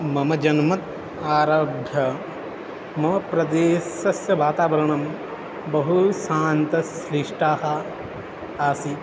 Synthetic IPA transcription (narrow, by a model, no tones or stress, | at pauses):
mɐmɐd͡ʒɐnmɐt̪ | aːɾaːbʱjɐ | mɐmɐpɾɐd̪eːsɐsjɐʋaːt̪aːʋɐɾɐɳɐm | bɐɦusaːnt̪ɐsɾiʂʈaːhɐ | aːsi